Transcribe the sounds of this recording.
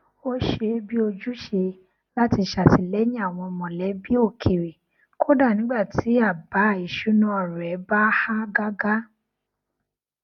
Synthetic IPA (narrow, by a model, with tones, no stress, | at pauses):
o˦ʃe˧bi˦o˧d͡ʒu˦ʃe˧ | la˦ti˧˨ʃa˨ti˨˧˨lɛ˨˦j̃ĩ˦a˦˨w̃ɔ̃˧mɔ̃˨lɛ˨˦bi˦o˦˨kʰe˨ɾe˨ | kʰo˦da˦˨nĩ˨˦ɡ͡ba˦˨tʰi˨˦a˦˨ba˨˦˨i˨ʃu˨˦nũ˦ɔ˨ɾɛ˨˦ba˦ha˦ɡa˦ɡa˦